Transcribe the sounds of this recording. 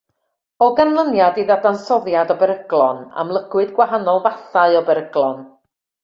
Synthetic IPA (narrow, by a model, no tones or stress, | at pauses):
ɔɡanlˠənjadiðadansɔðjadɔbɛɾəɡ̥lˠɔna̰mlˠəɡ̥wɨdɡwaɦanɔlˠvaθaɨɔbɛɾəɡ̥lˠɔn